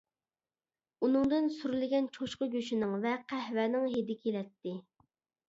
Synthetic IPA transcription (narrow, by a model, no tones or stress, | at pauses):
unɨŋd̪ɨnsuɾlɪɡʲɛnt͡ʃʰoʃqəɡʲøʃɪnɪŋvɛqʰæhvɛːnɪŋɦed̪ɪkʲʰelɛt̪ːɪ